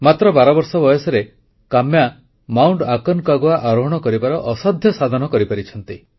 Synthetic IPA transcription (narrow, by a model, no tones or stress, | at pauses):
mat̪ɾɔbaɾɔbɔɾsɔbɔjɔsɔɾe | kamja | mawɳɖakɔnkaɡoaʔaɾɔɦɔɽ̃ɔkɔɾibaɾɔʔɔsɔd̪ʱjɔsad̪ʱɔnɔkɔɾipaɾit͡ʃʰɔn̪t̪i